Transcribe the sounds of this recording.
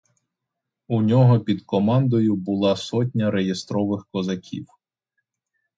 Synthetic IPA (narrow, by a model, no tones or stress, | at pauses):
unʲɔɦɔpʲid̪kɔmɑnd̪ɔjʊbʊlˠɑsɔt̬ʲnʲɐɾejest̪ɾɔʋɪxkɔzɐkʲʰḭw